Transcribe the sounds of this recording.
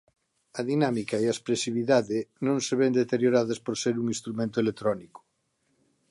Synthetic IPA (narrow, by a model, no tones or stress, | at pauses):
ɐðinamikaeaespɾesiβ̞iðaðenõŋseβend̪et̪eɾjoɾaðɐspoɾseɾuŋĩst̪ɾumẽnt̪oelet̪ɾɔniko̥